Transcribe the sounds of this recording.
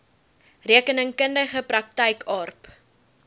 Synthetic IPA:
riəkənəŋkəndəχəprɐk̚tɛjkʰɑːrp

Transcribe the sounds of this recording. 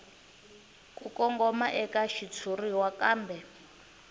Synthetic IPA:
kʼukɔŋɡɔmaʔɛkaʃit͡sʰuriwakaːmbɛ

